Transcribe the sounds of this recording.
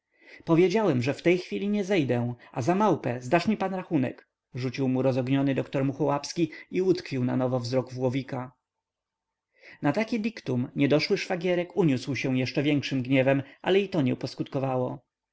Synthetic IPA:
pɔvʲjed͡ʑawɛmʐɛft̪ɛjxfʲilʲiɲɛzɛjd̪ɛ̃ʔazamawpɛzd̪aʂmʲipanɾaxunɛ̰k | ʐut͡ɕiwmuɾɔzɔɡɲɔnɘd̪ɔkt̪ɔɾmuxɔwapskʲiiut̪kfʲiwna̰nɔvɔvzɾɔɡvwɔvʲika | nat̪akʲid̪ʲikt̪umɲɛd̪ɔʂwɘʂfaɡʲjɛɾɛkuɲuswɕɛ̃jɛʂt͡ʂɛvʲjɛŋkʂɘmɡɲɛvɛmʔa̰lɛit̪ɔɲɛupɔskut̪kɔvawɔ

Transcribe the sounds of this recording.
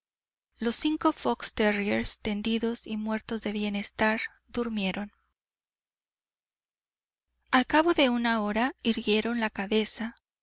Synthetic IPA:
losːiŋko̞fo̞kst̪erieɾst̪e̞nd̪iðo̞simwe̞ɾt̪o̞zðe̞βje̞ne̞st̪aɾ | d̪uɾmje̞ɾʔo̞n | alkaβo̞ðe̞unao̞ɾaiɾɣje̞ɾo̞nlakaβe̞sa

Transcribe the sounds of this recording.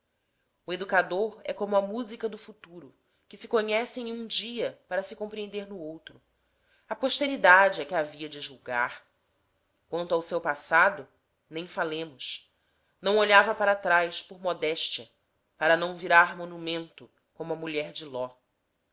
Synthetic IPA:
ʊed̪ukad̪oɾɛ̰kõmʊɐmuzikɐd̪ʊfut̪uɾʊ | kɪsɪkoɲɛsẽũd͡ʒiɐpaɾɐsɪkõpɾiẽnd̪eɾnʊowt̪ɾʊ | ɐpoʃt̪eɾid̪ad͡ʒɪɛkɪaviɐd͡ʒɪʒuwɡa̰ɾ | kwɐ̃nt̪awsewpasad̪ʊ | nẽj̃falẽmʊʃ | nɐ̃w̃oʎavɐpaɾɐt̪ɾajspoɾmɔd̪ɛʃt͡ʃiɐ | paɾɐnɐ̃w̃viɾaɾmonumẽnt̪ʊ | kõmʊɐmuʎɛɾd͡ʒɪlɔ

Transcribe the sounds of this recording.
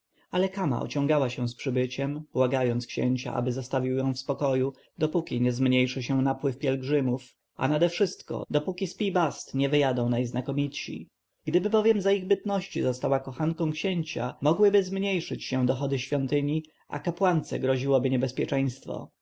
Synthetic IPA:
alɛkama̰ʔɔ̰t͡ɕɔ̃ŋɡawaɕɛ̃spʂɘbɘt͡ɕɛmb̥waɡajɔnt̪skɕɛ̰ɲt͡ɕa̰ʔa̰bɘzast̪avʲiwjɔ̃w̃fspɔkɔju | d̪ɔpukʲiɲɛzmɲejʂɘɕɛ̃napwɘfpʲjɛlɡʐɘmuf | ʔa̰nad̪ɛfʂɘst̪kɔ̰d̪ɔpukʲispʲibast̪ɲɛvɘjad̪ɔ̃w̃najznakɔmʲit̪ɕḭ | ɡ̥d̪ɘbɘbɔvʲjɛmzaiɣbɘt̪nɔɕt͡ɕizɔst̪awakɔxankɔ̃w̃kɕɛɲt͡ɕa̰mɔɡwɘbɘzmɲejʂɘt͡ɕɕɛ̃d̪ɔxɔd̪ɘɕfʲjɔnt̪ɘɲi | ʔa̰kapwant̪sɛ̰ɡɾɔʑiwɔbɘɲɛbɛspʲjɛt͡ʂɛj̃st̪fɔ̰

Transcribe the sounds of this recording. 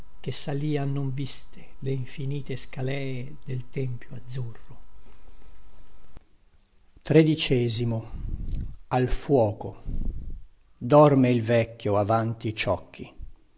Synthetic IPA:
k̟esaliːanːoɱvist̪e̥leiɱfiniːt̪eskalɛːed̪elt̪ɛmpjoad̪zːurːʊ | t̪ɾed̪it͡ʃɛːzimo | alfwɔːko | d̪ɔrmeilvɛkːjoavant̪it͡ʃɔkʰːḭ

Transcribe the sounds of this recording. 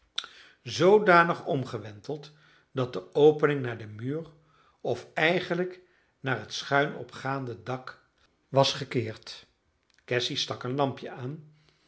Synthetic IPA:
zowdaːnəχɔmχəʋɛntəlˠt | dɑt̚dəowpənɪŋnaːɹdəmyːr | ɔfɛjχənlək | naːɹɦətsχœɥnɔ̰pχaːndədɑk | ʋɑsχəkɪːɹt | kɛsistɑkənlɑmpjəaːn

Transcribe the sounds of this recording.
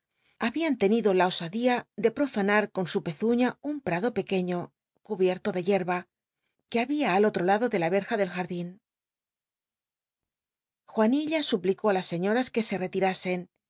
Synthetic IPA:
aβiant̪e̞niðo̞lao̞saðiaðe̞pɾo̞fanaɾko̞nsupe̞θuɲaumpɾaðo̞pe̞ke̞ɲo̞ | kuβje̞ɾt̪o̞ðe̞ʝe̞ɾβa | keaβiaːlo̞t̪ɾo̞laðo̞ðe̞laβe̞ɾxaðe̞lxaɾðin | xwaniʎasupliko̞alasːe̞ɲo̞ɾaske̞se̞re̞t̪iɾase̞n

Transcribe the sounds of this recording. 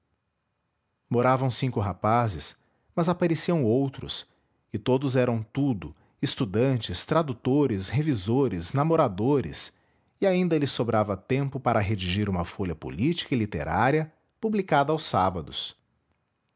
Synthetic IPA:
moɾavɐ̃w̃sĩŋkʊɦapazɪs | mɐzapaɾesiɐ̃w̃owt̪ɾʊ̰s | ɪt̪od̪ʊzɛɾɐ̃w̃t̪ud̪ʊ | ɪst̪ud̪ɐ̃nt͡ʃɪst̪ɾad̪ut̪oɾɪshevizoɾɪsnamoɾad̪oɾɪ̰s | iaĩnd̪ɐlɪsobɾavɐt̪ẽmpʊpaɾɐɦed͡ʒiʒiɾũmɐfoʎɐpo̰lit͡ʃi̥kɐilit̪ḛɾʔaɾiɐ | publikad̪ɐawsabɐd̪ʊs

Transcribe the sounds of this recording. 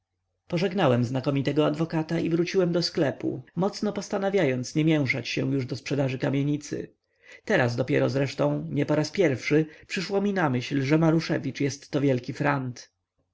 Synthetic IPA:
pɔʐɛɡnawɛmznakɔmʲit̪ɛɡɔad̪vɔkat̪aivɾut͡ɕiwɛmd̪ɔsklɛpṵmɔt̪snɔpɔst̪anavʲjajɔnt̪sɲɛmʲjɛ̃w̃ʂat͡ɕɕɛw̃juʐd̪ɔspʂɛd̪aʐɘkamʲjeɲit̪sɘ̰ | t̪ɛɾazd̪ɔpʲjɛ̰ɾɔzɾɛʂt̪ɔ̃w̃ɲɛpɔɾaspʲjɛɾfʂɘpʂɘʂwɔmʲinamɘɕlʐɛmaɾuʂɛ̰vʲit͡ʂjɛst̪ːɔvʲjɛlkʲifɾant̪

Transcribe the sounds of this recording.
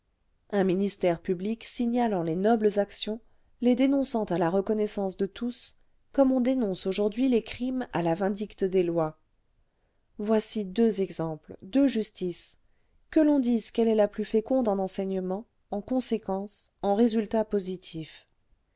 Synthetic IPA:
ɛ̃minist̪ɛʁpybliksiɲalɑ̃lenɔbləzaksjɔ̃ | led̪enɔ̃sɑ̃t̪alaʁəkɔnɛsɑ̃sd̪ət̪us | kɔmɔ̃d̪enɔ̃soʒuʁd̪ɥilekχima̰lavɛ̃d̪ikt̪əd̪elwa | vwasid̪øzɛɡzɑ̃pld̪øʒyst̪is | kəlɔ̃d̪izkɛlɛlaplyfekɔ̃d̪ɑ̃nɑ̃sɛɲəmɑ̃ | ɑ̃kɔ̃sekɑ̃sɑ̃ʁezylt̪apozit̪ʰif

